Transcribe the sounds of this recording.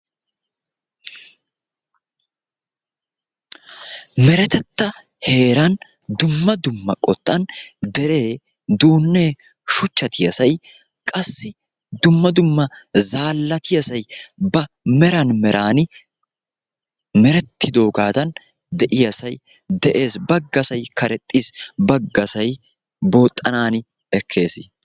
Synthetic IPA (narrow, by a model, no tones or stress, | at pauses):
mɛɾɛt̪ɛt̪ːɐ | he̞ːɾɐnd̪ʊmːɐd̪ʊmːɐkʼɔt̪ʼːɐnd̪ɛɾe̞ː | d̪uːnːe̞ː | ʃʊt͡ʃːɐt̪ɪjɐsɐj | kʼɐsːɪ | d̪ʊmːɐd̪ʊmːɐzaːlːɐt̪ɪjɐsɐjbɐ | mɛɾɐnmɛɾʔaːnɪ | mɛɾɛt̪ʰːɪd̪o̞ːɡaːt̪ɐn | d̪ɛʔɪjɐsɐj | d̪ɛʔe̞ːsbɐɡːɐsɐjkʰɐɾɛt̪ʼːiːsbɐɡːɐsɐj | bo̞ːt̪ʼːɐnaːnɪ | ɛkʰːe̞ːsɪ